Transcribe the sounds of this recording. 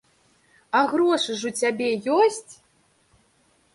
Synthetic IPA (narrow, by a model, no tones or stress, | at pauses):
aɣɾɔʂɨʐut͡sʲabʲɛjɔsʲt͡sʲ